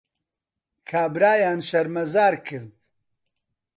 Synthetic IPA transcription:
kʰaːbɾaːjaːnʃɐɾmɐzaːɾkʰɨɾd̪̚

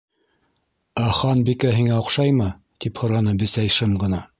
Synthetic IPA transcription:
æχɑnbikæɦiŋæŏqʃɑjmɤ | t̪iphŏɾɑnɤbɘ̆sæjʃɤmɢɤ̆nɑ

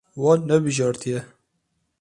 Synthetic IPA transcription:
wɑːnːɛbɨʒɑːɾt̪ʰijɛ

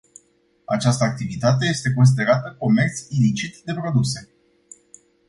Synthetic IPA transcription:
a̰t͡ʃast̪əak̚t̪ivit̪at̪̬e̞je̞st̪e̞ko̞ns̬id̪e̞ɾat̪əko̞me̞rt̪sʲilit͡ʃit̪d̪e̞pɾo̞d̪use̞

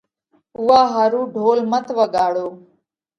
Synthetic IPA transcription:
ʊːaːɦaːɾũːɖʱoːlmət̪ʰʋəɠaːɽoː

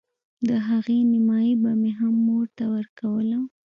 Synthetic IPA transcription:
d̪əɦaɣenɪmɑjibameɦamːoɾt̪awəɾkawəla

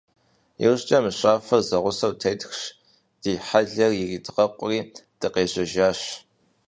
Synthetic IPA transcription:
jɛ̰wɕt͡ʃʼɐmɨɕʷʼaːfɐrzɐʁʷʊsɐwtʰɐjtxʂ | d̥iːħaɮɐrjɪriːtʰʼɨqɐqʷʼʊriːd̥ɨqeːɕʼɐʒaːɕ

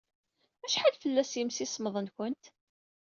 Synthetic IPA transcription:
æʃħalfəlːæsjəmsisməðˤənkʷʊnt̪

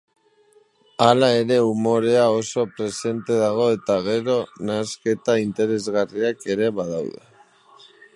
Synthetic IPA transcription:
alae̞ɾe̞umo̞ɾe̞aoso̞pɾe̞se̞nt̪e̞ðaɣ̞o̞e̞t̪aɣ̞e̞ɾo̞naske̞t̪aint̪e̞ɾe̞zɣariake̞ɾe̞βað̞awðḛ

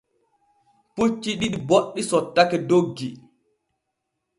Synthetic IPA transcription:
put͡ʃːiɗiɗiboɗːisɔtːakɛdoɡːi

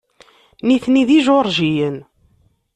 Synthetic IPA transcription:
niθniðiʒoɾˤʒijən

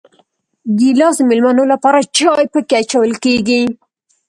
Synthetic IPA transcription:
ɡ̪ilɑsəmɪlmanolapɑɾat͡ʃɑjpəkeat͡ʃawəlkeɡi

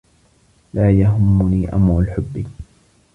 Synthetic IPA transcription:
laːjaɦʊmːʊniːʔa̰mɾʊlħʊbːi

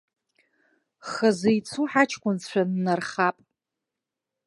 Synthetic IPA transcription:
χɐzejt͡sʰuħat͡ʃʰkʷʰʼʊnʃʷʰᶣanːarχapʼ

